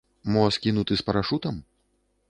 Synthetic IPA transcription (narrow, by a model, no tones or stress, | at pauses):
mɔskʲinut̪ɨspɐɾaʂut̪ɐm